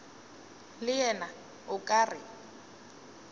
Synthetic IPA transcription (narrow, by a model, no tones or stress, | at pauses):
lɪɛna | ʊkʼarɪ